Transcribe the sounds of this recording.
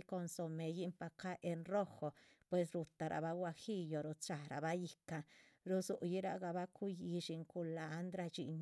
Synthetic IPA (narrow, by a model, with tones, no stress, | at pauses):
ko˧nso˧me˨ji˦mpa˧ka˦ʔe˧nɾo˦xo˨pwe˧s̬ɾu˧t̪a˨ɾʔa̰˨βa˦ɡwa˧xi˦jo˨ɾu˧t͡ʃa˨ɾa̰˨ba˦ji˧ka˧ɾu˧su˨ʔji˦ɾa˧ɡa˧ba˦ku˦ji˧ʃi˧ŋku˧laː˧˦nd̪ɾa˧t͡ʃḭ˧ɲ